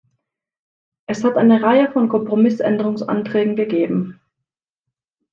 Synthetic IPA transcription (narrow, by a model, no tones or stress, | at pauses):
ʔɛshatʔaɪnəʁaɪəfɔnkʰɔmpʁ̥omɪsʔɛndəʁʊŋsʔa̰ntʁ̥ɛːɡŋ̩ɡəɡeːbm̩